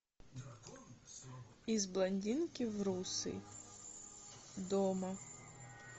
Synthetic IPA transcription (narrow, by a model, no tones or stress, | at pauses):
izblˠɐnʲdʲinkʲiwɾusɪ̰ | d̪ɔmɐ